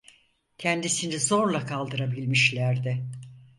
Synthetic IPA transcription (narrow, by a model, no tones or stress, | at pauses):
cʰɛnd̪isinizo̞ɾlˠakʰalˠd̪ɯɾabilʲmiʃlʲæɾd̪ɪ